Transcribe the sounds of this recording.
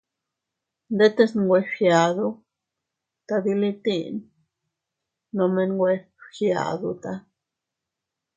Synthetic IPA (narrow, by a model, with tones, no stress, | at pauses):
nd̪e˦t̪e˦snɡwe˧xja˨d̪u˧˦ | t̪a˧d̪i˧li˧t̪ḭ˦˧n | no˧me˧nɡwʷe˧ | xja̰˨d̪u˧t̪a˧